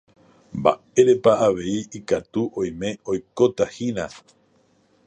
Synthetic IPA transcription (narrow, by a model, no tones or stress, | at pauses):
mba̰ | e̞ɾe̞paːʋe̞iikat̪uʔõ̞j̃mẽ̞o̞jko̞t̪ahina